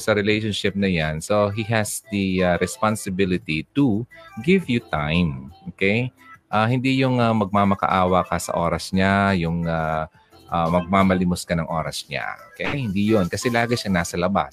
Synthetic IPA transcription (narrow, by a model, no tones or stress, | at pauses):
sɐɾɪlejʃonʃɪp̚nɐjanso̞ɦiɦɛsd̪ɐaɾɛspansɪbɪlɪt̪it̪uɡɪvjut̪ajmʔoːkejʔahɪnd̪ijʊŋamɐɡ̚maːmɐkɐ̰ʔaːwɐkɐsɐ̰ʔoːɾɐsɲajʊŋa | ʔamɐɡ̚maːmɐlɪmʊskɐnɐŋʔo̞ːɾɐsɲa̰okɐɛjahɪnd̪ijonkɐsɛlaːɡɪʃanaːsɐlɐba̰s